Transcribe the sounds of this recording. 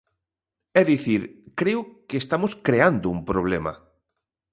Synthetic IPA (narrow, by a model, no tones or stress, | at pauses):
ɛðiθiɾkɾeʊkeːst̪amʊskɾeand̪ʊumpɾoβ̞lɛmɐ̰